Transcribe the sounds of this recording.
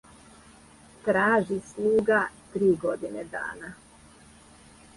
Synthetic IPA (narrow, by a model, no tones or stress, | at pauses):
t̪ɾaːʒislˠuːɡat̪ɾiːɡod̪ined̪a̰ːna